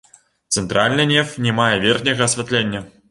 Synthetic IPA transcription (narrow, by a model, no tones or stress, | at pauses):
t̪sɛnt̪ɾalʲnɨnʲɛfnʲɛmajɛvʲɛrxnʲɛɣɐɐsʲvʲɛt̪lʲenʲːɐ